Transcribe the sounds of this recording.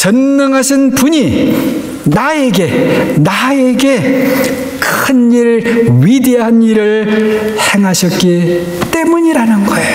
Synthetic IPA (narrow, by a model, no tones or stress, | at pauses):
t͡ɕʌnːʌŋɦaɕʰinpuɲi | nae̞ɡe̞nae̞ɡe̞ | kɯniɾɥideɦaniɾɯɭhe̞ŋɦaɕʰʌt̚k͈i | t͈e̞muɲiɾanɯnɡʌejo